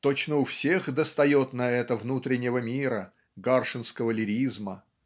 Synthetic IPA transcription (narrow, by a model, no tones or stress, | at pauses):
t̪o̞t͡ɕnəʊfsʲexd̪əst̪ɐjo̞t̪nɐɛt̪əvnut̪ɾʲɪnʲːɪvəmʲiɾə | ɡarʂɨnskəvəlʲɪɾʲizmə